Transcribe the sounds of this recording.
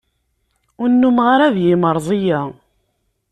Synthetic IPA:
ʊnːumʁaɾæðjɪməɾˤðˤija

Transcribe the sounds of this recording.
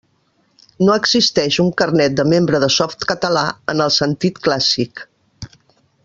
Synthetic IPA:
noəɡzist̪ɛʃuŋkərnɛt̪̚d̪əmembɾəðəsɔft̪kət̪əlaə̰nəlˠsənt̪it̪klasik

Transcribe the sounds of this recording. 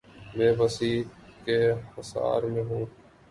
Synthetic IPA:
mẽːʋəsiːkeːhəsa̰ːɾmẽːɦũː

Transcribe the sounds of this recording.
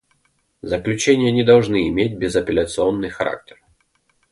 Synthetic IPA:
zɐklʲʉt͡ɕenʲɪjənʲɪd̪ɐwʐnɨːmʲedʲbʲɪzɐpʲɪlʲɐt̪sɨɔnːɨjxɐɾa̰k̚t̪ʲɛ̥r

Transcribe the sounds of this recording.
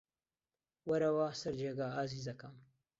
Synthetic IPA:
wɐɾɐwaːsɐɾd͡ʒeɡaːaziːzɐkɐm

